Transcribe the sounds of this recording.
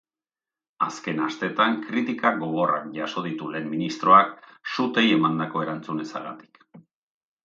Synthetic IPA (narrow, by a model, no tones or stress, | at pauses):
aske̞nast̪e̞t̪aŋkɾit̪ikaɣo̞ɣ̞o̞rakʝaso̞ð̞it̪ule̞ːmminist̪ɾo̞aksut̪e̞je̞mand̪ako̞e̞ɾant͡sune̞saɾɣa̰t̪i̥k